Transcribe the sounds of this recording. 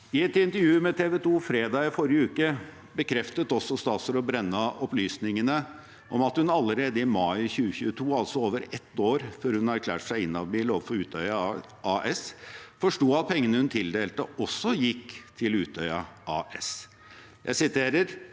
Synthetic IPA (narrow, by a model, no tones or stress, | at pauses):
ɪɛt̪ɪnt̪əɾjʉːmɛt̪ʰeːʋɛt̪ʰuːfɾeːd̪ɑːɪfɔɾjəʉːkə | bəkʰɾɛft̪ət̪ɔsːɔst̪ɑːt̪səɾɔbɾɛnːɑʔɔplyːsnɪŋənə | ʔɔmɑt̪hʉnɑlːəɾeːd̪əɪmɑɪçʉːəçʉːət̪ʰuːɑlsɔoːʋəɾɛt̪ːoːɾføːɾhʉnɑɾkʰlæ̰ːʈsæɪɪnːɑʋbiːloːʋəfɔɾʉːt̪œʏɑ | ɑːʔɛsfɔʂʈuːɑt̪̚pʰɛŋːənəhʉnt̪ʰɪld̪eːlt̪əɔsːɔjɪkːt̪ʰɪlʉːt̪œʏɑʔɑːɛs | jʔæ̰ɪsɪt̪ʰeːɾəɾ